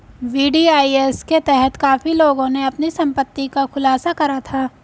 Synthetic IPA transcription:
ʋiːɖiːaːiesket̪ɛɦɛt̪kaːfiloːɡõneɐpnisɐ̃mpət̪ːikaxʊlaːsakɐɾat̪ʰaː

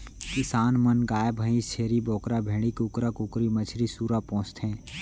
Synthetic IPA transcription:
kɪsaːnmənɡaːjbʱəĩt͡ʃʰeːɾibɔːkɾabʱeːɽ̃ikʊkɾakʊkɾimət͡ʃʰɾisuːɾapɔ̃ːt͡ʃt̪ɛ̃ː

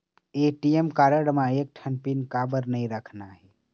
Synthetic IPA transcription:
eːʈiemkaːɾəɽmãeːk̚ʈʰənpinkaːbəɾnəĩɾəkʰnaɦɛː

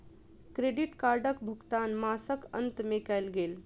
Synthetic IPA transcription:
kɾeɖiʈkaɾɖəkbʱukt̪anmasəkə̰nt̪mekɛjlɡel

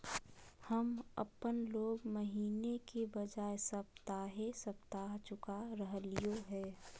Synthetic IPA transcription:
hɐmɐ̰pənloːɡməɦiːnekebɐd͡ʒaːesɐb̚t̪aːɦesəb̚t̪aːɦt͡ʃʊkaɾəɦlijoɦɛː

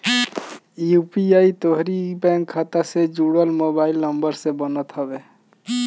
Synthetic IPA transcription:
jupiait̪oɦɾibɛ̃ŋkʰːat̪ased͡ʒuɽəlmobailnəmbəɾsẽbənət̪ɦɔbe

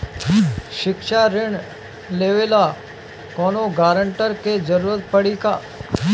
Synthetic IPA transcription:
ʃɪkʃaɾɪɳ | leʋeːla | kɔːnoɡaːɾəɳʈəɾked͡ʒəɾuːɾət̪̚pəɽikaː

